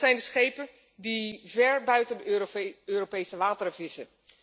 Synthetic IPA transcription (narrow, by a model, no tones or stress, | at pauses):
zɛjndəsχejpə | divɛɹbœɥtəndəøːropejsəʋaːtəɾəvɪsə